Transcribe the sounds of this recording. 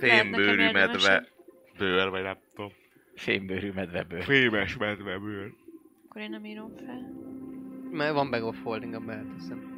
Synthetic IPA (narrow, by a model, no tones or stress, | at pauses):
feːmbøːɾymɛd̪ʋɛ | bøːrvɒɟnɛmt̪om | feːmbøːɾymɛd̪ʋɛbøːɾeːmɛʃmɛd̪ʋɛbøːr | kːoɾeːnnɛmiːɾomfɛl | mɛɡʋɒmbɛɡofhold̪iŋɡɒbɛt̪usɛn